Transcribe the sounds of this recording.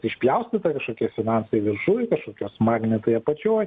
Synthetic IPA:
t̪ɪʃʲpʲlʲɛʊsʲt̪ʲɪt̪ɐkɐʃkoːkʲiɛfʲɪnɑnsɐɪʋʲɪɾʃʊkɐʃkoːkʲoːsmɑːɡnʲɛt̪oːjɐpɐt͡ʃʲoːj

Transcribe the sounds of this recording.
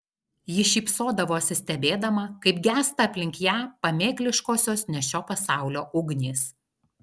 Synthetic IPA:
jɪʃʲiːpsoːd̪ɐʋoːɐsʲɪsʲt̪ʲɛbʲeːd̪ɐmɐkɐɪpɡʲæːst̪ɐːpʲlʲɪŋʲkjæːpɐmʲeːklʲɪʃkoːsʲoːsnʲɛʃʲoːpɐsɑˑʊlʲoːʔʊɡnʲiːs

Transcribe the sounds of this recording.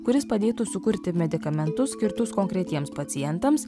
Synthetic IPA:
kʊɾʲɪspɐd̪ʲeːt̪ʊsʊkʊɾʲt̪ʲɪmʲɛd̪ʲɪkɐmʲɛnt̪ʊsːʲkʲɪɾt̪ʊskoŋkɾʲɛt̪ʲiɛmspɐt̪sʲɪjɛnt̪ɐms

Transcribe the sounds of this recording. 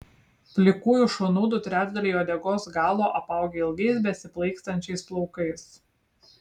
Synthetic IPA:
pʲlʲɪkuːjʊʃonuːd̪ʊt̪ʲɾʲæːd͡ʒd̪ɐlʲiːjoːd̪ʲɛɡoːsɡɑːlˠoːʔɐpɑˑʊɡʲeːɪlˠɡʲɛɪsbʲɛsʲɪplˠɐɪkst̪ɐnʲt͡ʃʲɛɪsplˠɒʊkɐɪs

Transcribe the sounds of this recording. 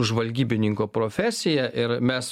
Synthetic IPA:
ʊʒʋɐlʲɡʲiːbʲɪnʲɪŋkoːpɾoːfʲæːsʲɪjɛʔɪɾmʲɛs

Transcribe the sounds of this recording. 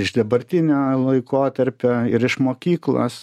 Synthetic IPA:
ɪʒd̪ɐbɐɾʲt̪ʲɪnʲoːlˠɐɪkoːt̪ɐɾʲpʲoːɪɾɪʃmoːkʲiːklˠo̰ːs

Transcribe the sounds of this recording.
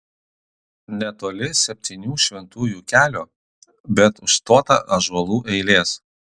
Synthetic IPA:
nʲɛt̪oːlʲɪsʲɛpʲt̪ʲiːnʲuːʃʲʋʲɛnt̪uːjuːkʲæːlʲoː | bʲɛt̪ʊʃst̪oːt̪ɐ̰ʔɐʒɐlˠuːʔɛɪlʲeːs

